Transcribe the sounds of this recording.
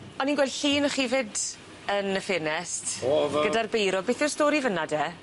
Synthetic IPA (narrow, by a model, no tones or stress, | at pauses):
ɔninɡwɛlɬiːnɔχiːvɪd | ənəfɪnɛstɡɡədarbejɾɔbejθɔrstoːɾivənadɛː